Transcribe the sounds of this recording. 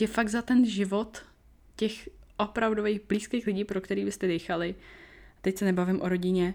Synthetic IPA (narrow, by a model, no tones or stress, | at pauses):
ɛfaɡzat̪ɛnʒɪvo̞t̪ | cɛxʔopɾavdovejɣbliːskejxlɪɟiːpɾo̞kt̪ɛɾiːvɪst̪ɛdɛjxalɪat̪ɛcsɛnɛbavɪmʔoɾo̞ɟɪɲɛ